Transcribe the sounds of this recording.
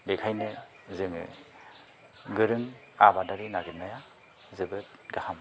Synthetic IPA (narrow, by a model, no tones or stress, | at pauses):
bekʰajnɯ | zɯŋɯ̰ | ɡɯɾɯŋ | abadaɾinaɡitnaja | zɯbɯt̚ɡaham